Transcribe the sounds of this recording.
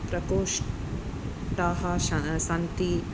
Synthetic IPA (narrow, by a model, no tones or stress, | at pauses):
pɾɐkoːʃ | ʈ̪aːɦɐʃsɐnt̪i